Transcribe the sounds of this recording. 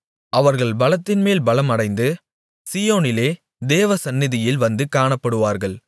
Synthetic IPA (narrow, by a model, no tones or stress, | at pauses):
ʔɐʋɐɾɣɐɭbɐlɐt̪ːɪnmeːlbɐlɐmɐɽɐɪnd̪ɯ | sijoːnɪleː | d̪eːʋɐsɐnːɪðɪjɪlʋɐnd̪ɯkaːɳɐpːɐɽɯʋaːɾɣɐɭ